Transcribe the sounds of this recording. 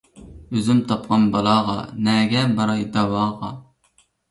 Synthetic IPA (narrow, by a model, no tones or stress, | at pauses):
øzymt̪ʰɑpqɑnbɑlˠɑʁɑ̰nɛɡʲɛbɑɾɑid̪ɑwɑːʁɑ